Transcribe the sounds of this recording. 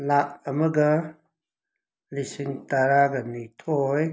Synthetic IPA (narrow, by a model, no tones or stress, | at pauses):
laʔəməɡə | lisiŋt̪aɾaɡənit̪ʰoj